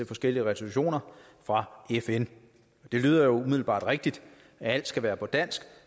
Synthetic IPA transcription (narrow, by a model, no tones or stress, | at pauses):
e̝lfɒ̽sɡ̥el̰iəʁɛsoluɕo̝̰ːnɐ | fʁɑ̈efen | ɒd̥e̝lyːðˠɐjo̝umið̰ˠl̩b̥ɑ̰̈ːd̥ʁeɡ̥̚d̥id̥ | ææl̰d̥sɡ̥æʋæːɐpʰɒ̽d̥æn̰sɡ̥